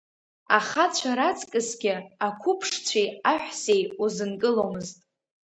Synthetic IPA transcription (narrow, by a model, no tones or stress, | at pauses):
aχat͡ɕʷʰaɾat͡sʼkʼɨsɡʲɪakʷʰʊpʰʂt͡ɕʷʰejaħʷᶣse̞juzɨnkʼɨlomɨztʼ